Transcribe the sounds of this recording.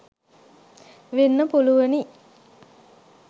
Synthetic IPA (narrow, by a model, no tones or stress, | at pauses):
ʋenːəpuluʋəni